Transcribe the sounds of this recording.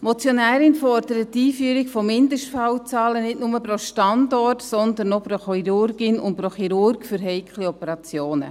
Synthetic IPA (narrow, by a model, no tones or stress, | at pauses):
mɔt͡sjonæːɾɪnfɔrd̥əɾətːiːfyəɾɪkfɔmɪndəʃtfawt͡sɑːlənɪtnʊməpɾoʃtɑndɔrtsɔndənːopɾoχiɾʊrɡɪnʊ̰nt̚pɾoχiɾʊrɡfyɾɦɛɪkʰliɔpəɾɑt͡sjoːnə̰